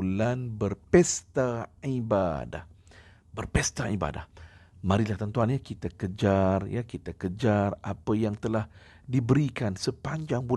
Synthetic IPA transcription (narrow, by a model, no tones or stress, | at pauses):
lanbərpɛst̪aiba̰da̰h | bərpɛst̪aʔiba̰da̰hmãɾilaht̪ənt̪uanjakit̪akəd͡ʒarja̰kit̪akəd͡ʒarapəjaŋt̪əlah | dibəɾikansəpaɲd͡ʒaŋbu